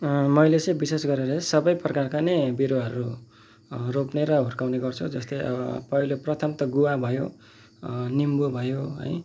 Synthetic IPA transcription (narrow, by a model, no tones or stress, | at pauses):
mʌjlet͡sʌj̃bisesɡʌɾeɾʌsʌbʌjprʌkarkanejbiɾoɦʌɾu | ropneɾʌɦurkawneɡʌrt͡sʰud͡zʌst̪ʌjʔʌ̰bʌ̰pʌiloprʌt̪ʰʌmt̪ʌɡuwabʱʌjo | nimbobʱʌjoɦʌ̰j